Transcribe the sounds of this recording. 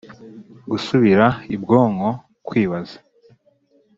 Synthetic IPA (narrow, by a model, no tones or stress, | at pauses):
ɡusuβiɾaibɡo̞ːŋo̞ | kwiːβazḁ